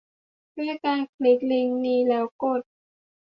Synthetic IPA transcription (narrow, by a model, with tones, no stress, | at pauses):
du˥˩əjkaː˧nkʰli˦˥k̚li˧ŋniː˧lɛː˦˥wko˨˩t̪̚